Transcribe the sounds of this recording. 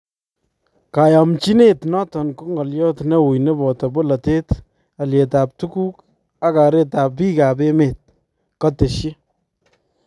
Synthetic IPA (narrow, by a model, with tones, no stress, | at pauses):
ka˨ja˨mt͡ʃi˦ne˦tnɔ˦tɔ˨nku˦ŋɔ˨ljɔ˦tne˦wu˨jne˦bɔ˨tɔ˨bo˦la˨te˦t | a˨lje˨ta˨p̚tu˦kuː˦k | a˦ka˨ɾe˦ta˨piː˦ka˨be˦me˨t̚ | kɔ˦te˨ʃji˦